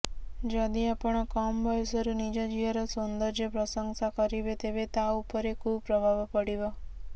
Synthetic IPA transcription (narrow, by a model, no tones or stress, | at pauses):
d͡ʒad̪iapəɳakɔmbʱɔjsəɾunid͡ʒad͡ʒiɦaɾɔsund̪əɾd͡ʒepɾəsəŋɡsakəɾiʋet̪eʋet̪aupəɾekʰubpɾəbʱaʋpəɽiʋa